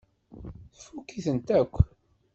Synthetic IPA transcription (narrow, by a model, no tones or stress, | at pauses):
θə̥fukːiθənt̪ækʷː